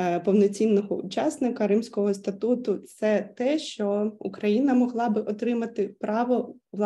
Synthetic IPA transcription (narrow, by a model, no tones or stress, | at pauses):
pɔwnɔt͡sʲinːɔɦɔʊt͡ʃɑsnɪkɐɾɪmsʲkɔɦɔst̪ɐt̪ut̪ʊt̪sɛt̪ɛʃt͡ʃɔṵkɾɐjinɐmɔɦlˠɑbɪʔɔt̪ɾɪmɐt̪ɪpɾɑʋɔʋlˠ